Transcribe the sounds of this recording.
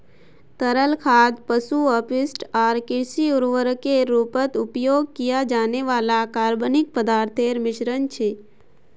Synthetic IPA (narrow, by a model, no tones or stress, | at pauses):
t̪əɾəlkʰaːd̪pəsuəpɪsʈaːɾkɪɾsiʊɾʋəɾkeɾuːpət̪ʊpjoːɡ̚kijad͡ʒaːneʋaːlakaːɾbənɪk̚pəd̪aːɾt̪ʰeːɾmɪʃɾənt͡ʃʰeː